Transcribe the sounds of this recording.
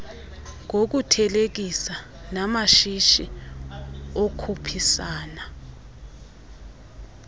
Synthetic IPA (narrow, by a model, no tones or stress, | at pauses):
ŋok̬utʰɛlek̬isa | namaʃiʃi | okʰupʰisaːna